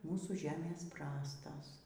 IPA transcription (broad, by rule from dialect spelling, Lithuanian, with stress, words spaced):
ˈmuːsuː ˈʒʲæːmʲeːs ˈprɑːstoːs